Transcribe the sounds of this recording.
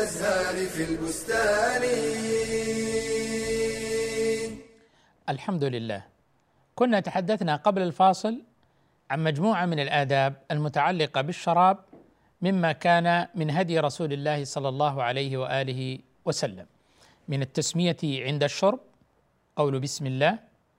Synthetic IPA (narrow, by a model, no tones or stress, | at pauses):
zaːnfilbʊst̪aːni | ʔalħamd̪ʊlɪlːa̰ːh | kʊnːat̪aħad̪ːaθnaqɑblalfɑːsˤɨl | ʕanmad͡ʒmuːʕamɪnalʔaːd̪aːb̚almʊt̪aʕalːɪqɑbɪʃːɑɾˤɑːb̚ | mɪmːakaːnamɪnɦad̪jɾˤɑsuːlɪlːaːhɪsˤɑlːɑlˤːɑːɦʊʕalajhɪwaʔaːlɪhɪ | wasalːa̰mː | ɪnat̪ːasmɪjaʕɪnd̪aʃːʊɾˤb̚ | qɑwlʊbɪsmɪlːaːh